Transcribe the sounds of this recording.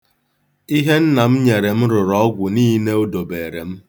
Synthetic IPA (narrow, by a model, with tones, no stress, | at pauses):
i˦ɦe˦n̩˦na˨m̩˦ɲe˨ɾe˨m̩˦ɾʊ˨ɾɔ˨˦ɔ˦ɡʷʊ˨niː˦ne˦o˦do˨be˨ɾe˨m̩˦